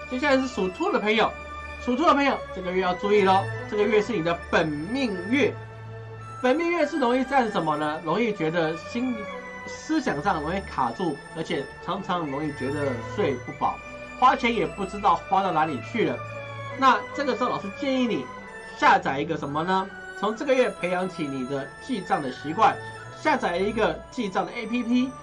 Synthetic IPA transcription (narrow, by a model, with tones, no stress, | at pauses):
t͡ɕo˥˧ɕjʂɻ̩˥˩ʂu˨˩t̪ʰu˥˩d̪ə˩pʰɤ˧˥ŋjo˨˩ʊ | ʂu˨˩t̪ʰu˥˩ə˩pʰɤ˧˥ŋjo˨˩ʊʈ͡ʂɤ˥˩ɡə˨ɥɛ˥˧jɑ˥˧ʊt͡su˥˧i˥˩lə˨ʈ͡ʂɤ˥˩ɡə˩ɥɛ˥˧ʂɻ̩˥˩ni˨˩d̪ə˦pə˨˩nmi˥˧ŋɥɛ˥˩ | pə˨˩nmi˥˧ŋɥɛ˥˧ʂɻ̩˥˩ɻʊ˧˥ŋi˥˧t͡sa˥˧˥ʂə˧˥nmə˧nə˧ɻʊ˧˥ŋi˥˩t͡ɕɥɛ˧˥d̪ə˧ɕi˥n | sɹ̩˥ɕjɑ˨˩ŋʈ͡ʂɤ˥˧˩ɻʊ˧˥ŋ˥i˥˩kʰa̰˨˩ʈ͡ʂu˥˩ | ə˞˧˥t͡ɕʰjɛ˨˩ʈ͡ʂʰɑ˧˥ŋʈ͡ʂʰɑ˧˥ŋɻʊ˧˥ŋi˥˩t͡ɕɥɛ˧˥d̪ə˧ʂwe˥˧ɪpu˥˩fɑ̰˨˩˦ʊ | xwa˥t͡ɕʰjɛ˧˥njɛ˨˩pu˥˩ʈ͡ʂɻ̩˥t̪ɑ˥˩ʊxwa˥t̪ɑ˥˩ʊna˧˥li˨˩t͡ɕʰy˥˩lə˩ | na˥˧ʈ͡ʂɤ˥˩ɡə˩ʈ͡ʂʊlɑ˨˩ʊʂɻ̩˥˧t͡ɕjɛ˥˧ni˥˩ni˨˩ | ɕja˥˩t͡sa˨˩ɪi˧˥ɡə˧ʂə˧˥nmə˧nə˧ | t͡sʰʊ˧˥ŋʈ͡ʂɤ˥˩ɡə˩ɥɛ˥˩pʰe˧˥ɪjɑ˧˥ŋt͡ɕʰi˨˩ni˨˩d̪ə˦t͡ɕi˥˧ʈ͡ʂɑ˥˩ŋd̪ə˩ɕi˧˥kwa˥˩n | ɕja˥˩t͡sa˨˩ɪ˧i˧˥ɡə˧t͡ɕi˥˧ʈ͡ʂɑ˥˩ŋd̪ə˩ʔe˥ɪpʰi˥pʰi˥